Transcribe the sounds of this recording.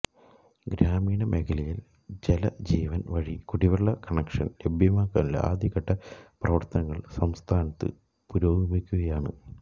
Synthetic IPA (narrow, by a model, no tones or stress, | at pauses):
ɡɾaːmiːɳɐmʔekʰɐlɐjil | d͡ʑelɐ̰d͡ʑiːʋɐnʋɐɻikuɽiʋɐɭːɐkɐɳekʂɐnlebʱjɐmaːkːa̰ːnil̰ʔa̰ːd̪ʱjɐɣɐʈːɐprɐʋɐrt̪ɐnɐŋːɐɭsɐmst̪ʰaːnɐt̪ːɨ̰ | puɾoːɡimikʲːuɣɐjaːɳɨ̰